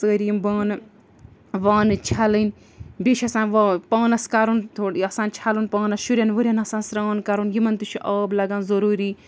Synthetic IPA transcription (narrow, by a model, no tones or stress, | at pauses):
səːɾimbaːnɨ | ʋaːnɨt͡ʃʰalɨn | beʃʲɐsaːnʋapaːnɐskaɾunt̪ʰoɽɐsaːnt͡ʃʰalunpaːnɐsʃuɾʲjaːnʋuɾʲjanɐsãːnsɾaːnkaɾunɡimɐnt̪uʃiʔɐːblɐɡaːnzɐɾuːɾi